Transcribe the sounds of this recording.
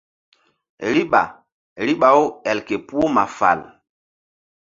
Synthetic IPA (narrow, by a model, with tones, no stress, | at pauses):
ɾi˦ɓa̰˨ | ɾi˦ɓa˨o˦ɛ˨lke˨pu˦o˦ma˨fa̰˨l